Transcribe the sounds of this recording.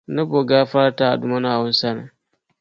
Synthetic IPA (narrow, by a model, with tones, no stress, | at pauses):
nɐ˦bo˨ɡaː˦ɸa˦a˦ta˦˨a̰˨du˨ma˦na˨wʊ˦n˦sa˦na˨